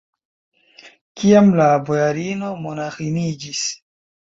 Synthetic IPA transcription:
kiamlabojaɾino̞mo̞naxinid͡ʒis

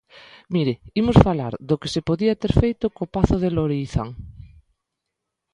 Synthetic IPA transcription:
miɾeimosfalaɾðokesepoðiat̪eɾfejt̪okopaθoð̞eloɾiːθa̰ŋ

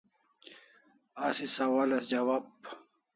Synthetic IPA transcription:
asisɐwalasd͡ʑawaːb̚

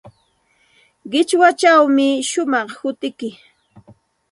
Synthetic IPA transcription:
ɢɪt͡ʃwat͡ʃawmɪʃʊmɑχhʊt̪ɪkɪ

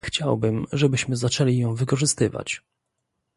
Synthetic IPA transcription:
xt͡ɕawbɘmʐɛbɘɕmɘzat͡ʂɛlʲijɔ̃w̃vɘkɔʐɘst̪ɘva̰t͡ɕ

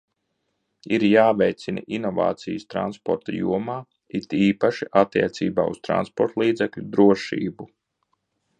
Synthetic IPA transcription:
iɾjaːvɛjt̪sina̰ʔinɔva̰ːt̪sijst̪ɾa̰nspɔɾt̪ajṵɔmaː | it̪iːpaʃiʔat̪ːiɛt̪siːba̰ːust̪ɾa̰nspɔɾt̪lˠiːd̪zɛklʲud̪ɾuɔʃḭːbu

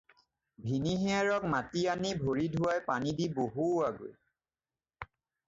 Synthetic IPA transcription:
bʱiniɦiaɹɔk̚matianibʱoɹidʱuwajpanidiboɦuaɡo̰j

